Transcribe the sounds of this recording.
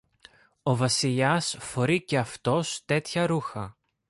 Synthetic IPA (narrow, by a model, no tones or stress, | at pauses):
o̞vɐsiʎɐsfo̞ɾice̞ɐft̪o̞st̪e̞t̪çɐɾuxɐ